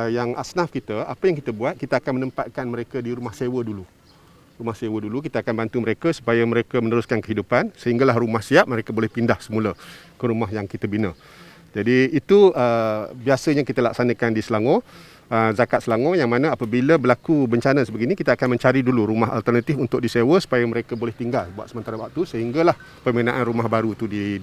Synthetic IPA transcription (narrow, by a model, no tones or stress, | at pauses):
jaŋʔa̰snafkit̪əapəjaŋkit̪əbuat̪̚kit̪aakanmənəmpat̪̚kanməɾekədiɾumahsewədulu | rumahsewədulukit̪əakanbant̪uməɾekasu̥pajaməɾekəmənəɾuskankəɦidupansəɦiŋɡalahrumahsiap̚məɾekabolɛhpindahsəmuləkəɾumaɦjaŋkit̪əbinə | d͡ʒadiːt̪uəbiasəɲakit̪əla̰ksanəkandisəlaŋõ | əzakat̪̚səlaŋojaŋmanə̃apəbiləbəlakubəɲt͡ʃanəsəbəɡinikit̪əakanmə̃ɲt͡ʃaɾiduluɾumaɦa̰lt̪ərnat̪ɪfunt̪ʊk̚disewəsu̥pajəməɾekəbolɛht̪iŋɡalbua̰t̪səmənt̪aɾawaʔ̚t̪usəɦiŋɡalah | pəməənãʔanrumahbaɾut̪udi